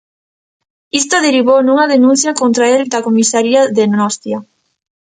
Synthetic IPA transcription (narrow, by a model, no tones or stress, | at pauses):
ist̪oðeɾiβ̞ownuŋɐðenũn̟θjakont̪ɾaeld̪akomisaɾiaðenɔst̪ja